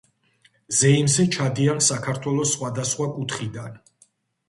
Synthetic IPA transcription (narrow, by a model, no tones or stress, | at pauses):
zɛimzɛt͡ʃʰad̪iansakʰaɾt̪ʰwɛlˠɔsːχwad̪asχwakʼut̪ʰχid̪an